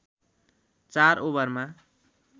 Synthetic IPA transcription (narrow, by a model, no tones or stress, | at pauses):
t͡sarobʌrma